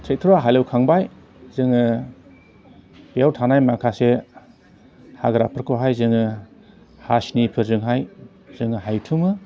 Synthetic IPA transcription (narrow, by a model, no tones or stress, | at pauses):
tʰek̚t̪ʰuɾaɦajlawkʰaŋbaj | zɯŋɯ | bijawtʰanajmakʰase | haɡɾa̰pʰɯɾkʰɯɦajzɯŋɯ | hasnipʰɯzɯŋɦaj | z̥ɯŋɯɦajtʰumɯ